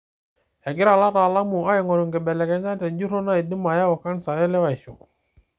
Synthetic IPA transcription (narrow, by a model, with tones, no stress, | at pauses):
ɛ˨ɡɪ˦ɾa˨la˦ta˨la˦mu˨a˦ɛ˨ŋɔ˨ɾu˨ŋɡɛ˨bɛ˨lɛ˨kɛ˨˦ɲa˦tɛ˨nd͡ʒu˦ɾo˦na˦i˨di˦ma˨ja˦wɔ˨ka˦nsa˨ɛ˦lɛ˦wa˨i˨ʃu˨